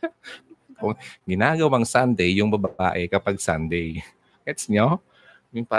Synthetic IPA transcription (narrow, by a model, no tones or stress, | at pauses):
oŋɡɪnaːɡɐwaŋsand̪ɛjːʊŋbɐbaba̰ːʔɛkɐpaɡ̚sand̪ɛj | kɛt̪sɲo | jʊŋpa